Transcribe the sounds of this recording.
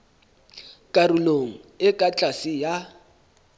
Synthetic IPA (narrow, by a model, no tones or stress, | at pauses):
kʼaruloŋ̩ɪkʼat͡ɬʼasija